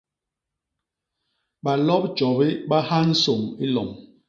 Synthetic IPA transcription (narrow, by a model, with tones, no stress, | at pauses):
ɓa˨lɔ˦p̚t͡ʃɔ˨bi˦ɓa˦ha˦n̩˦so˨mi˦lɔ̰˨m